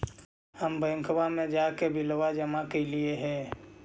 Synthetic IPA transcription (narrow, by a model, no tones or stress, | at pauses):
həmbə̃ŋkʰbamẽd͡ʒakebʱɪləʋad͡ʒəmakelieɦɛ̃ː